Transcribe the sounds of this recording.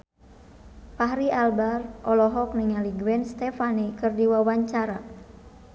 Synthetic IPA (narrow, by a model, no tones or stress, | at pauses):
paɦɾialbarʔɔlɔɦɔk̚niŋaliɡwɛnst̪ɛfanikɨrdiwawaɲt͡ʃaɾa